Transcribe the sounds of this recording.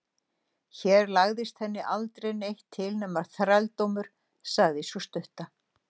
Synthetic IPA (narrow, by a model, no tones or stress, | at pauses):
çɛːɾlaɣðɪst̪θɛnːɪʔalt̪ɾejnejht̪ʰːɪlnɛːmvaɾ̥θɾalt̪owmʏɾ̥ | saɣðɪsɔst̪ʏht̪a